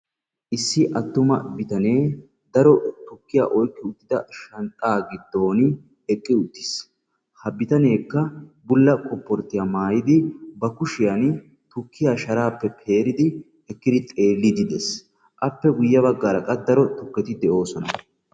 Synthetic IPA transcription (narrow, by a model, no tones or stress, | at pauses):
ʔɪsːɪʔɐt̪ːʊmɐ̰bɪt̪ɐne̞ː | d̪ɐɾɔt̪ʊkːɪja̰ːʔɔjkːɪʊt̪ːɪd̪ɐʃɐnt̪ʼːaːɡɪd̪ːo̞ːn | ɛkʼːɪʊt̪ːɪ̥s | hɐbɪt̪ɐne̞ːkːɐbʊlːɐkɔpːɔɾt̪ːɪjamaːjɪd̪ɪbɐkʊʃɪjɐn | t̪ʊkːɪjaːʃɐɾaːpːɛpʰe̞ːɾɪd̪ɪ | hɛkːɪd̪ɪt̪ʼe̞ːlːɪd̪ɪd̪es | ʔɐpːɛɡʊjːɐβɐɡːaːɾɐkʼɐd̪ɐɾɔt̪ʊkːɛt̪ɪd̪ɛʔo̞ːsɔnɐ